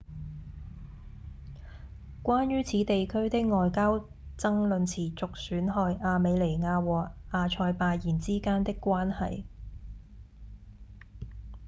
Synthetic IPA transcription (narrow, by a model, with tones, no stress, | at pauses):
kʷaː˥njyː˥t͡sʰiː˨˥t̪e˨jkʰɵ˥ɥt̪ɪ˥k̚ŋɔː˨jkaː˥w | t͡sɐ˥ŋlɵ˨˧nt͡sʰiː˨˩t͡sʊ˨k̚syː˨˥nɦɔː˧jʔaː˨˧me˨˧jle˨˩jŋaː˧wɔː˨˩k̚aː˧t͡ʃʰɔː˧jpaː˧jiː˨˩nt͡siː˥kaː˥nt̪ɪ˥kːʷaː˥nhɐ̰˨j